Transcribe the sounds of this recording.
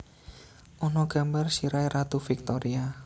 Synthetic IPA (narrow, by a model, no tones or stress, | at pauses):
ʔɔnɔɡ̥ambarsiɾajɾat̪ufik̚t̪ɔɾia